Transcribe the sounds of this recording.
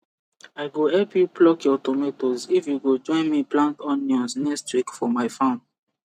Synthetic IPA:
aɪɡohɛpjuplɔkjɔtometozifjuɡod͡ʒɔ̃ɪ̃nmiplãntɔ̃njɔ̃nsnɛkstwikfɔmaɪfãʊ̃n

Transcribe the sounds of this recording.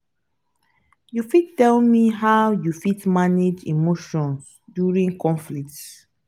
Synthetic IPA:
jufid̚tɛlmiɦawjufitmaned͡ʒḭmoʃɔ̃ns | djuɹĩŋkʰɔ̃nflik̚t

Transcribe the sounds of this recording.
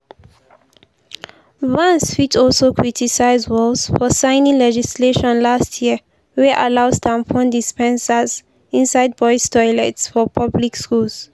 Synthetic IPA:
vãnsfitʰɔlsokʰɹitʰisaɪzwɔlsfɔsãɪnĩŋlɛd͡ʒisleʃɔ̃nlastʰjiə | wɛʔalaʊstʰãmpʰɔ̃ndispɛ̃nsəz | ĩnsaɪd̚bɔjstɔlɛtsfɔpʰablikskuls

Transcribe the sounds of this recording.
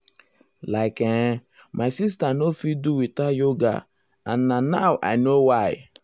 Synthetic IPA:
laɪke | maɪsis̬tanofiduwitajoɡa̰ | a̰n̩nanaʊʔa̰ɪnowaɪ

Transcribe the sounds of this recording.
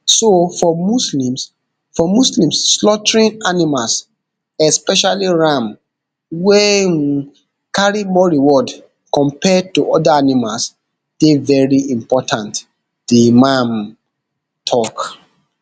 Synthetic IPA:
sofɔmuslĩms | fɔmuslĩmsːlɔtɹĩnanimals | ɛspɛʃaliɹãm | wɛ | kaɹimɔɹiwɔd | kɔ̃mpɛd̚tuʔɔdaanimals | d̥evɛɹiĩmpɔtʰãnt | d̥emãm | tʰɔk

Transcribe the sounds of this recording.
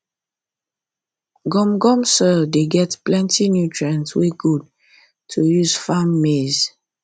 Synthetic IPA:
ɡɔ̃mɡɔ̃msɔdeɡɛtplɛ̃ntʰinjutɹãnsweɡud̚ | tʰujuz̥famːez

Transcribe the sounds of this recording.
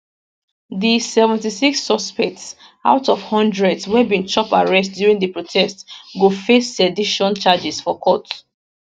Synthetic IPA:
ðisɛvɛ̃ntisiksːɔspɛk̚ts | a̰ʊtɔfhɔ̃ndɹɛdswɛbĩnt͡ʃɔpaɹɛstdjuɹĩŋdəpɹotʰɛstɡofesːɛdiʃɔ̃nt͡ʃad͡ʒisfɔkʰɔt

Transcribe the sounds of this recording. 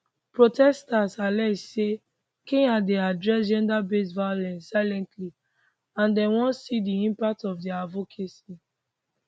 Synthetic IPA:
pɹotʰɛstasalɛsse | kĩŋadeadɹɛsd͡ʒɛ̃ndabesvaolɛ̃nssaɪlɛ̃ntʰli | ãndɛ̃nwɔ̃nsidiĩmpak̚tɔfdɛavokʰesi

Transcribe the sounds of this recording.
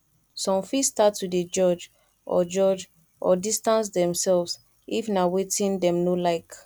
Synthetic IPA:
sɔ̃mfistatwided͡ʒɔd͡ʒ | ʔɔ̰d͡ʒɔd͡ʒ | ʔɔ̰distãns̬dɛ̃msɛlvs | ʔifnawetʰĩndɛ̃mnolaɪk

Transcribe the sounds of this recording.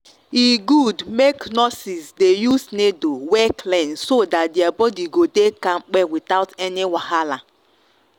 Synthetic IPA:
iɡudmeknɔsisdejusnedowɛklɛ̃nsodat̚dɪabɔdiɡodekaŋ͡m̩k͡pɛwitaʊtɛnɪwahala

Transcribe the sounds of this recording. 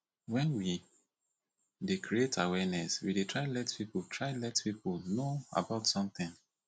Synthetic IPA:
wɛ̃nwi | dekɹietʰawɛnɛswidetʰɹaɪlɛtpipɔtʰɹaɪlɛtpipulnoa̰baʊtsɔ̃mθɪ̃ŋ

